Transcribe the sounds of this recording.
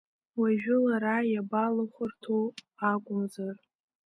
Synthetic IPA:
waʒᶣʊlaɾajabalaχʷʊrtʰoaɡʷʊzar

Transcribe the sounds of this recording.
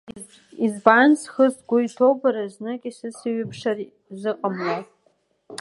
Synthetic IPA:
izbansχəsɡʷʊjtʰowbaɾaznɨkʼisɨsɨɥɨpʰʂari | zɨqʼamlo

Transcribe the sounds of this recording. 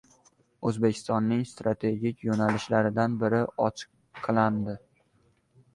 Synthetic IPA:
ɵzbekʲʰɪ̥st̪ɒnːɪŋst̪ɾat̪ʰe̞ɡʲɪkʲjonalɪʃlaɾɪd̪anbɪɾɪɒt͡ʃʰɨ̥qʰː | ɨlˠand̪ɪ

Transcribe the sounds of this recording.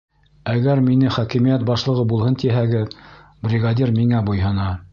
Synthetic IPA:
æɡæɾminɘχɒkimijæt̪̚bɑʃlˠɤ̆ʁɤbulˠhɤnt̪iɦæɡɘð | brʲɪɡad̪ʲirmiŋæbujɦɤ̆nɑ

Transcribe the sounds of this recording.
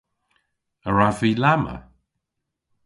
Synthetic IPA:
əɹaviːlamə̰

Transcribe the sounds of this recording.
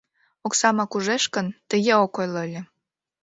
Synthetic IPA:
oksɑmɑkuʒeʃkənt̪əjeokojloəlʲe

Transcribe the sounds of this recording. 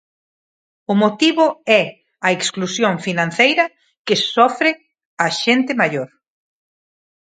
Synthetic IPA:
ʊmot̪iβʊɛ | ɐeksklusjoŋfinãn̟θejɾɐ | kɪsɔfɾɪ | ɐʃent̪ɪmaʎoɾ

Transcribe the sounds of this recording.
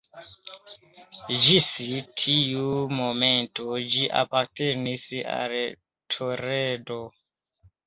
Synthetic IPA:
d͡ʒisitʰiumomentod͡ʒiʔa̰paɾtenisa̰l | tʰoɾedo

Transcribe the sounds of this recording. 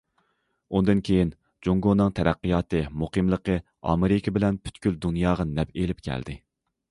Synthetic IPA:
und̪ɨnkʲʰejin | d͡ʒoŋɡonɨŋt̪ʰɛɾæqːɨjɑːt̪ɨmuqʰɨmlˠəqʰə | ɑ̰meɾɪkʲʰɪbɪlɛnpʰy̥t̪kʲyld̪unjɑːʁɑnɛpelɪp̚kʲʰæ̰ld̪ɪ

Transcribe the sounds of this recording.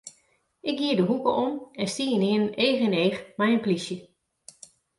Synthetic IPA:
ʔɪk̚ɡiːədəɦukəʔomɛnstiːənɪənneːxɪneːxmɛjənplisjə

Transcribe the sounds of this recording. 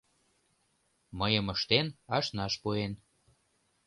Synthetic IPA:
məjəməʃt̪enɑʃnɑʃpuen

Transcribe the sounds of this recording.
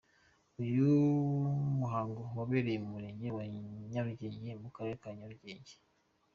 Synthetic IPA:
uju | muɦaːŋɡowaβeɾejeumuɾe̞ɲɟewaɲaɾuɟeːɲɟemukaɾe̞ɾekaɲaɾuɟeːɲɟe̥

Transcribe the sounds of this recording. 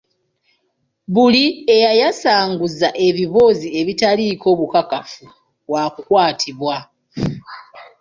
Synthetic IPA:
βuliejajasaːŋɡuzaʔe̞βiβo̞zie̞βitaliːko̞ːβukakafu | βwakukwaːtʰiβwa

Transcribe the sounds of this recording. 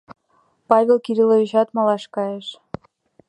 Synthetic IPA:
pɑβʲelkiɾiloβiʃɑt̪mɑlɑʃkɑjeʃ

